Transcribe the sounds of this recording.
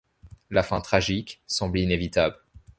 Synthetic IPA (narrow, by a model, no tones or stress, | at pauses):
lafɛ̃t̪χaʒiksɑ̃blinevit̪abl